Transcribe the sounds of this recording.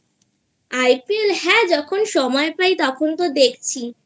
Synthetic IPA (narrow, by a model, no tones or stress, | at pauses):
ajpielɦɛd͡ʑɔkʰonʃɔmɔepajt̪ɔkʰont̪od̪ek̚ʰt͡ɕʰi